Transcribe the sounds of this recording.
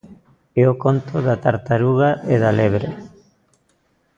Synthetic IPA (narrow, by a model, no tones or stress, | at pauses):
ɛokont̪oðat̪aɾt̪aɾuɣaʔeðaleβɾe